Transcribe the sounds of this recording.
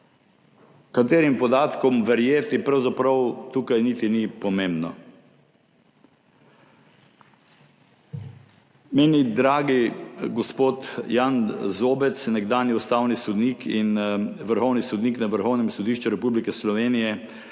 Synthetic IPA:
kat̪eːɾimpɔd̪aːt̪kɔmʋɛɾjeːt̪ipɾawzapɾɐwt̪uːkajniːt̪inipɔmembnɔ | meːnid̪ɾaːɡiɡɔspoːt̪janzoːbɛt̪snɛɡd̪aːnjiust̪awnisɔd̪niːkʰinʋəɾxɔwnisɔd̪niːknaʋəɾxɔwnɛmsɔd̪iːʃt͡ʃuɾɛpublikɛslɔʋeːnijɛ

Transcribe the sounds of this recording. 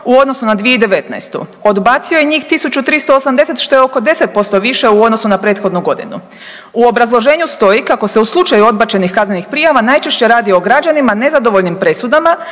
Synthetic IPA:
uo̞d̪no̞sunad̪ʋijeid̪e̞ʋe̞t̪na̰jst̪ṵod̪baːt̪siojeɲiːxt̪isut͡ɕut̪ɾist̪o̞ːsamd̪e̞se̞t̪ʃt̪o̞jeo̞ko̞d̪e̞set̪̚po̞st̪o̞ʋiʃe̞uo̞d̪no̞sunapɾe̞ːt̪xo̞d̪nuɡo̞d̪ḭnṵ | uo̞bɾazlˠo̞ʒe̞ːɲust̪o̞jikako̞se̞uslˠut͡ʃajuo̞d̪̚bat͡ɕe̞nixkazne̞nixpɾijaʋanajt͡ʃe̞ʃt͡ɕe̞ɾaːd̪io̞ɡɾad͡ʑanimane̞zad̪oʋo̞ʎnimpɾe̞sud̪ama

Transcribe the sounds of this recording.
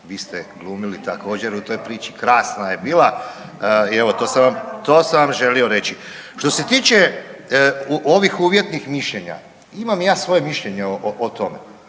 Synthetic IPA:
ʋiːst̪eɡlˠuːmilit̪ako̞ːd͡ʑeɾut̪o̞jpɾiːt͡ʃi̥kɾaːsnajebiːlˠa | ieʋo̞t̪o̞ːsaʋamt̪o̞ːsamʋamʒe̞lio̞ɾe̞t͡ʃi | ʃt̪o̞se̞t̪iːt͡ʃe | uʔoʋixuːʋje̞t̪nixmiʃʎeɲa̰ | imamjaːsʋo̞je̞miʃʎeɲeoʔoʔot̪o̞mḛ

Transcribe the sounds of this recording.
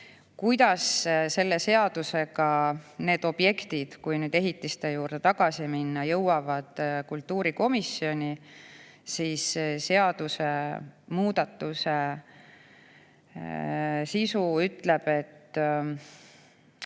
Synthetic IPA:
kujd̪ɑsse̞lːe̞se̞ɑd̪̥use̞ɡ̥ɑne̞ːd̪̥o̞b̥je̞kt̪id̪̥kujnyːd̪e̞ɦit̪ːˑist̪e̞juːrd̪̥e̞t̪ɑɡ̥ɑsiminːɑjɤwɑvɑd̪̥kult̪ːuːɾiko̞misio̞nʲi | siːsse̞ɑd̪̥use̞muːd̪̥ɑt̪ˑːuse̞ | sisuyt̪ːˑle̞b̥e̞t̪ː

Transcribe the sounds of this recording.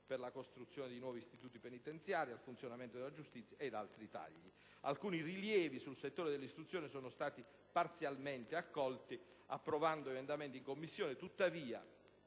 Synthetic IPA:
perlakost̪ɾut̪sjoːned̪ejnwɔːvist̪it̪uːt̪ipenit̪ent̪sjaːɾialfunt̪sjonament̪od̪elːad͡ʒust̪it̪sːjaed̪alt̪ɾit̪a̰ʎːi | a̰lkuːniriljɛːvisulset̪ːoːɾed̪elːist̪ɾut̪sjoːnesɔːnost̪aːt̪i | part̪sjalment̪eakːɔlt̪i | apːɾovand̪oemend̪ament̪iŋkomːisːjoːnet̪ut̪ːaviːa̰

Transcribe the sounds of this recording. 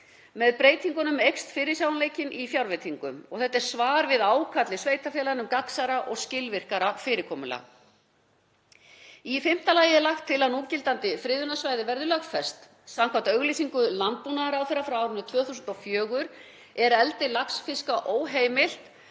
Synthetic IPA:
mɛðpɾeːjt̪ʰiŋkʏnʏmejkst̪fɪːɾɪsjawnleːjcɪnʔifjawɾvɛt̪ʰiŋkʏmɔ̰ɣθɛht̪ːɛɾ̥svaːɾvɪðaːwkʰat̪lɪsveːjt̪afjɛlaɾɪnʏmkaksaɾaʔɔɣscɪlvɪr̥kaɾafɪːɾɪkʰɔːmʏla̰ | ifɪm̥t̪alaːjɪɛɾlaxt̪ʰːɪlanuːcɪlt̪ant̪ɪfɾɪːðʏnasvajðɪvɛɾðɪlœxfɛst̪ | samkʰat̪œɣlisiŋkʏlant̪̚punaðɪɾawθɪɾːafɾawawɾʏnːʏt̪ʰv̥œːθusʏnt̪ɔfjœːɣʏɾ̥ | ɛɾɛlt̪ɪlaksfɪskaʔoːwɦeːjmɪl̥t̪

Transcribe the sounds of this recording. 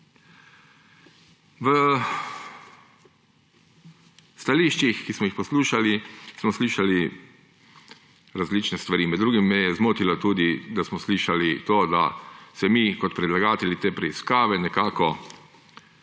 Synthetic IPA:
ʋə | st̪aliːʃt͡ʃixkismɔjixpɔsluːʃalismɔsliːʃali | ɾazliːt͡ʃnɛst̪ʋaɾiːmɛd̪d̪ɾuːɡimːɛjɛzmoːt̪ilɔt̪uːd̪id̪asmɔsliːʃalit̪oːd̪a̰sɛmikɔt̪̚pɾɛd̪laɡaːt̪ɛlit̪eːpɾɛiskaːʋɛnɛkaːkɔ

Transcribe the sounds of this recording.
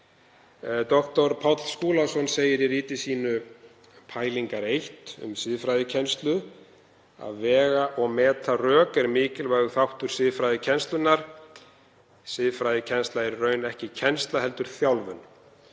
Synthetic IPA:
t̪ɔht̪ɔɾpʰawt̪l̥skuːlasɔnseːjɪɾiɾiːt̪ɪsiːnʏ | pʰaːjliŋkaɾejht̪ʏ̰msɪðfɾaːjðɪcʰɛnst̪lʏ | a̰ðvɛːɣaʔɔɣmɛːt̪arœːkɛɾmɪːcɪlvajɣʏθawht̪ʏɾ̥sɪðfɾajðɪcʰɛnst̪lʏnːaɾ̥ | sɪðfɾajðɪcʰɛnst̪laɪɾrœːɥnɛhcɪcʰɛnst̪laɦɛl̪t̪ʏɾ̥θjawlvʏ̰n

